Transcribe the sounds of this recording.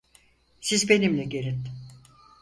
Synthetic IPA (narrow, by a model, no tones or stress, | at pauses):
sizbe̞nimlʲɛɟeɾʲin